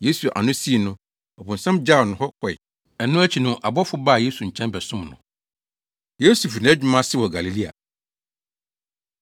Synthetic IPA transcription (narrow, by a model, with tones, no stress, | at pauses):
je˦su˨ʔa̰˨nʊ̃˦si˦˨nʊ̃˦ | ɔ˨bʊ̃˨n̩˨sã˦md͡ʑa˦˨nʊ̃˨hɔ˦kʰɔ˨ɪ̰˨ | ɛ˨nʊ̃˦æ˦t͡ɕʰi˨nʊ̃˦ʔa˨bɔ˦fʊ˦baː˦˨je˦su˨ɲ̩˨t͡ɕʰɛ̃˦nbɛ˨sʊ̃˦mnʊ̰̃˨ | jo˦su˨fnɪ̃˨ɛ˦d͡ʑᶣɪ˦mã˦sɪ˦wɔ˨ɡa˨li˨li˦a̰˨